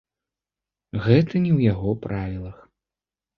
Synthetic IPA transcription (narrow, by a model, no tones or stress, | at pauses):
ɣɛt̪ɐnʲɛwjaɣɔpɾʔavʲilˠɐx